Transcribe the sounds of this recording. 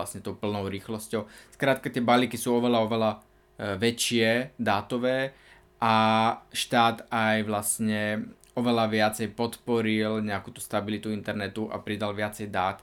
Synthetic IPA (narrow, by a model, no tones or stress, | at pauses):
lasɲɛt̪ɔʊpl̩nɔʊɾiːxlɔscɔʊskɾaːt̪kat̪ɪɛbaliːkisuːɔʋɛlaɔʋɛla | ʋɛt͡ʃɪɛd̪aːt̪ɔʋɛː | ʔaʃt̪aːt̪ajʋlasɲɛ | ɔʋɛlaʋɪat͡sɛjpɔt̪pɔɾilɲɛakuːt̪u̥st̪abilit̪uint̪ɛɾnɛt̪uʔa̰pɾid̪alʋɪat͡sɛjd̪aːt̪